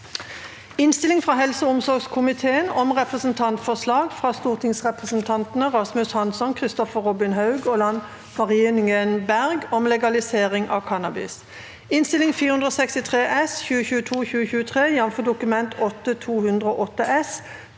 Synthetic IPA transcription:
ɪnst̪ɪlɪŋfʁɑːɦɛlsəʊmsɔʁɡskʰʊmɪt̪ʰeːənɔmʁɛpʁəsən̩t̪ʰɑnt̪fɔʁslɑːɡfʁɑːst̪uːʁt̪ʰɪŋsʁɛpʁəsnt̪ʰɑnt̪nəʁɑsmʉshɑnsɔnkʰʁɪst̪ɔfəʁɔbɪnɦɑʉɡɔlɑn | mɑʁiːnɪŋənbæʁɡɔmlɛɡɑlɪseːʁɪŋʔɑ̰ːkʰɑnɑbɪ̰s | ɪnst̪ɪlɪŋfiːʁəʉnd̪ʁoːsɛkst̪ɪt̪ʰʁeːʔɛsçʉːəçʉːət̪ʰuːçʉːəçʉːət̪ʰʁeːjɑnfəd̪ʊkʉmɛnt̪ʰɔt̪ːət̪ʰuːhʉnd̪ʁəoːʔɔt̪ːəʔɛs

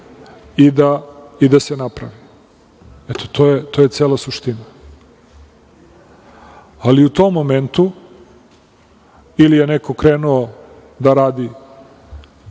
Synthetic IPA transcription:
id̪aid̪asenapɾa̰ʋi | et̪o̥t̪oːjet̪o̞je̞t̪seːlasuʃt̪ina | aliut̪omːoment̪u | ilijeneko̞kɾeːnuo | d̪aɾaːd̪i

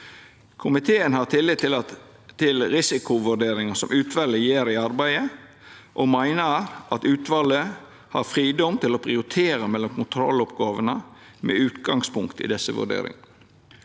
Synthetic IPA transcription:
kʰʊmɪt̪ʰeːənhɑʁt̪ʰɪlːɪt̪ɪl | t̪ʰɪlɾɪsɪkʊʋʉɖeːɾɪŋəsɔmʔʉːt̪ʰʋɑləjeːɾɪɑɾbæɪə | ʔɔmæɪnəɾʔɑt̪ʉːt̪ʋɑlə | hɑ̰ɾfɾiːd̪ɔmt̪ʰɪlɔpʰɾɪʊɾɪt̪ʰeːɾəmɛlːɔmkʰʊnt̪ʰɾɔ̰lːɔpɡɑːʋənə | mɛ̰ʉːt̪ɡɑŋspʰʊŋkt̪ɪ̰d̪ɛsəʋʉ̰ɖḛːɾɪ̰ŋɑ

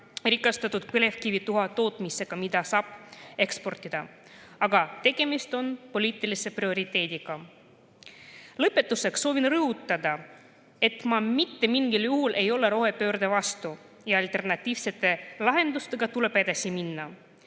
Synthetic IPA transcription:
rikːˑɑst̪ɑt̪ːˑud̪̥pele̞fkivit̪uɦɑt̪o̞ːt̪ˑmise̞ɡ̥ɑmid̪ɑsɑːb̥e̞kspo̞rt̪ʲːˑid̪̥ɑ | ɑɡɑt̪e̞ɡ̥e̞mist̪o̞npo̞lʲiːt̪ːˑilise̞prio̞ɾit̪ːˑe̞ːd̪iɡ̥ɑ | lɤpːe̞t̪ːˑuse̞kso̞ːvinrɤɦut̪ːˑɑd̪ɑ | e̞t̪mɑmit̪ːe̞miŋɡiljuɦulʔe̞jo̞le̞ɾo̞ɦe̞pø̞ːrd̪evɑst̪u | jɑɑlt̪e̞rnɑt̪ʲːˑiːvse̞t̪ːˑe̞lɑɦe̞nd̪ust̪e̞ɡ̥ɑt̪ule̞ped̪ɑsiminːɑ

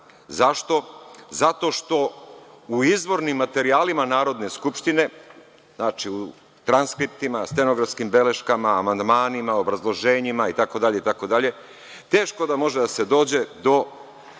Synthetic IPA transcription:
zaʃt̪o̞zat̪o̞ʃt̪o̞uizʋo̞ɾnimːat̪e̞ɾiaːlimanaːɾo̞d̪ne̞skupʃt̪ine̞ | znaːt͡ʃiu | t̪ɾanskɾip̚t̪imast̪eno̞ɡɾafskimbe̞le̞ʃkamaːmand̪maːnimaobɾazlˠo̞ʒe̞ːɲimait̪ako̞d̪aʎe̞it̪ako̞d̪aʎe̞ | t̪e̞ːʃko̞d̪amo̞ʒed̪ase̞d̪o̞ːd͡ʑe̞d̪o̞

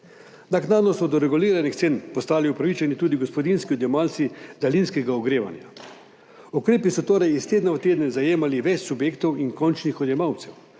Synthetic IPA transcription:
naknaːd̪nɔsɔd̪ɔɾɛɡuliːɾanixt̪seːnpɔst̪aːliupɾaʋit͡ʃanit̪uːd̪iɡospɔd̪inskiɔd̪jɛmaːlt̪sid̪alinskɛɡaɔɡɾeːʋa̰nja̰ | ukɾeːpisɔt̪oːɾɛjist̪eːd̪naɔt̪eːd̪nɛzajeːmaliʋɛt͡ʃsubjeːkt̪ɔwiŋkɔnt͡ʃnixɔd̪jɛmawt̪sɛw

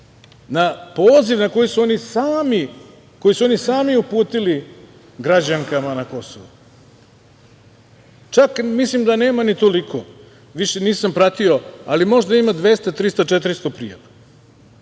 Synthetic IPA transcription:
napoːziʋnako̞jisuonisaːmi | ko̞jisuo̞nisaːmiupuːt̪ili | ɡɾad͡ʑaŋkamanako̞so̰ʋu | t͡ʃakmislimd̪ane̞ːmanit̪o̞likʰo | ʋiʃeniːsampɾat̪io̞alimo̞ʒd̪aimad̪ʋe̞st̪at̪ɾist̪at͡ʃet̪ɾist̪o̞pɾijaʋa

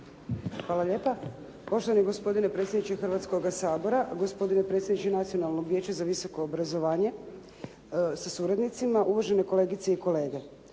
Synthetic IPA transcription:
xʋaːlˠaʎe̞ːpa | po̞ʃt̪oʋanjeɡo̞spo̞d̪ine̞pɾe̞t̪sʲjed̪nit͡ʃexrʋat̪sko̞ɡasaːbo̞ɾaɡo̞spo̞d̪inepɾet̪sʲjed̪nit͡ɕenat̪sionalˠnoɡʋjeːt͡ɕazaʋiso̞ko̞ːbɾazo̞ʋaːɲe̞ | sasuːɾad̪nit̪simaʔuʋaʒe̞ne̞ko̞le̞ːɡit̪seiko̞le̞ːɡe̞

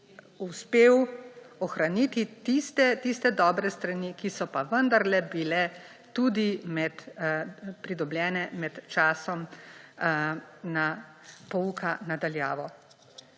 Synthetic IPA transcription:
uspeːwɔxɾanit̪it̪ist̪ɛt̪ist̪ɛd̪ɔːbɾɛst̪ɾanikisɔpaʋənd̪aɾlɛbilɛ | t̪ud̪imɛt̪ | pɾid̪ɔbljɛːnɛmɛt̪t͡ʃaːsɔm | na | pɔukʰanad̪aljaːʋɔ

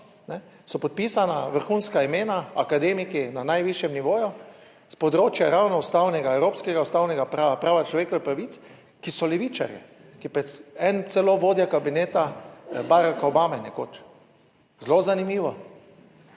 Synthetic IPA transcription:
nɛ | sɔpɔt̪̚pisanaʋəɾxuːnskaimeːnaakad̪eːmikinanajʋiʃjɛmniʋoːju | spɔd̪ɾoːt͡ʃjaɾawnɔʊst̪awnɛɡaɛwɾoːpskɛɡaust̪aːwnɛɡapɾaːapɾaːʋat͡ʃlɔʋeːkɔʋipɾaʋit̪s | kisɔlɛʋiːt͡ʃa̰ɾjɛ̰ | kipɛɛnt̪sɛloʋoːd̪jakabineːt̪abaːɾakaɔbaːmɛnɛko̰ːt͡ʃ | zlozanimiːʋɔ

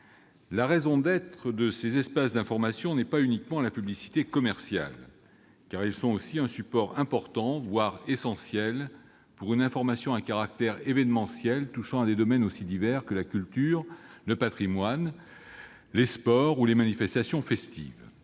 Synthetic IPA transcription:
laʁezɔ̃d̪ɛt̪χəd̪əsezɛspasd̪ɛ̃fɔʁmasjɔ̃nɛpaynikmɑ̃lapyblisi̥t̪ekɔmɛʁsja̰l | kaʁilsɔ̃osiɛ̃sypɔʁɛ̃pɔʁt̪ɑ̃vwaʁesɑ̃sjɛl | puʁynɛ̃fɔʁmasjɔ̃ɛ̃kaʁak̚t̪ɛʁevɛnmɑ̃sjɛlt̪uʃɑ̃ad̪ed̪ɔmɛnosid̪ivɛʁkəlakʲylt̪yʁləpat̪χimwan | lespɔʁulemanifɛst̪asjɔ̃fɛst̪ḭv

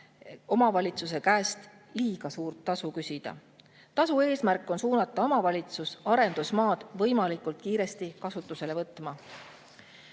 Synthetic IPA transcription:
o̞mɑvɑlʲit̪sus̬e̞kæːst̪ | liːɡ̥ɑsuːrt̪ːɑsukysid̪̥ɑ̰ | t̪ɑsue̞ːsmærkːˑo̞nsuːnɑt̪ːˑɑo̞mɑvɑlʲit̪susɑɾe̞nd̪usmɑːd̪̥vɤjmɑlikult̪̚kiːɾe̞st̪ikɑsut̪ːˑuse̞le̞vɤt̪ːˑmɑ

